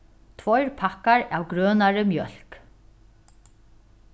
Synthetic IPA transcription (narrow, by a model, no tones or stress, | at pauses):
t̪ʰvɔjɹpʰakːaɹa̰ːwɡɾœːnaɹəmjœl̥k